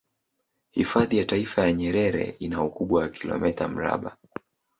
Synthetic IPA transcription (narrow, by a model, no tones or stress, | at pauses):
hifaðijataifajaɲɛɾɛɾɛ̰inaukuɓwawakʰilɔ̰mɛtam̩ɾa̰ɓa